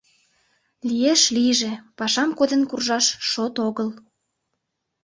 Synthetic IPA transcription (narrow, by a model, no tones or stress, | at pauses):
lijeʃlijʒepɑʃɑmkod̪ənkurʒɑʃʃot̪oɣəl